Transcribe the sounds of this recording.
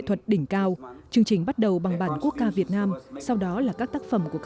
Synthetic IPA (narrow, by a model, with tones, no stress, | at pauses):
t̪ʰwə˨˩t̚ɗï˧˩ŋ̟kaː˧wt͡ɕɨ˧əŋt͡ɕï˨˩ŋ̟ɓa˦˥t̚ɗə˨˩wɓa˨˩ŋɓaː˧˩nku˦˥ək̚zaː˧vi˨˩ət̚naː˧msa˧wɗɔ˨˦laː˨˩kaː˦˥k̚t̪aː˦˥k̚fə˧˩mku˧˩ək